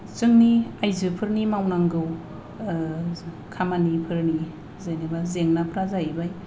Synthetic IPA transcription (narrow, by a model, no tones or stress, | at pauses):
t͡ʃɯŋniajzɯpʰɯɾnimawnaŋɡɯw | kʰamanipʰɯɾni | zajnibazeŋnapʰɾazaibaj